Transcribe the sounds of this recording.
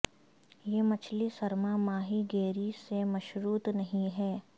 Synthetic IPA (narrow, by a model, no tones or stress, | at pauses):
jeːmɐt͡ʃʰlisɐɾmamaːɦiɡeːɾisemɐʃɾuːt̪nɐɦĩɦɛː